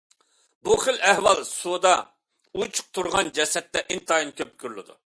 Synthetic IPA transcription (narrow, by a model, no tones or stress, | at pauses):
buχəlɛhwɑlˠsud̪ɑ | ut͡ʃʰʊ̥q̚t̪ʰuɾʁɑnd͡ʒɛsɛt̪ːɛʔint̪ɑinkʲʰøp̚kʲyɾlɪd̪ṵ